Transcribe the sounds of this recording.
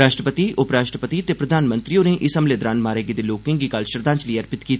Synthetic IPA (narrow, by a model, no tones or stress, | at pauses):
aːʃʈɾəpət̪iːʊpɾaːʃʈɾəpət̪it̪eːpɾəd̪ʱaːnmə̃nt̪ɾiõːneʔɪsəmleːd̪ɾãːnmaːɾeːɡeːd̪eːloːkɪ̃ŋɡiːkalʃəɾd̪ãːt͡ʃləiːəɾpɪt̪kiːt̪ː